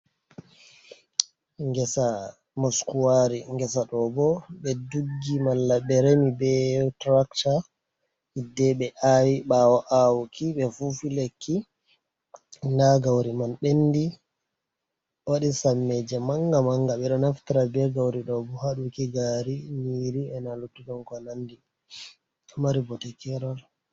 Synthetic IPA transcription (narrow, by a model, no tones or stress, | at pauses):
ŋɡɛsa | mɔskuwaɾiŋɡɛsaɗɔbɔɓɛduɡːimalːaɓɛɾemibɛtɾakta | idɛɓɛʔawiɓawaʔawkʰiɓɛfufilekʰːi | ndaɡawɾimanɓenːdi | waɗisamːɛd͡ʒɛmaŋɡamaŋɡaɓɛɗɔnaftiɾabɛɡawɾiɗɔbɔhaɗukiɡaɾimiɾiɛnalutːuɡɔmkɔnandi | maɾibɔtɛkɛɾɔl